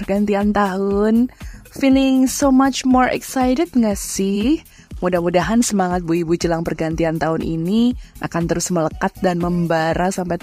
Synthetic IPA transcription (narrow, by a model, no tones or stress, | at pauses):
ərɡant̪iant̪aɦʊnfilɪŋsomat͡ʃmɔrɛ̰ksajɾɛdŋasɪh | mudahmudaɦansəmaŋat̪̚buibud͡ʒəlaŋpərɡant̪iant̪aɦʊnʔḭniʔa̰kant̪əɾʊsmələkat̪̚danməmbaɾasampaj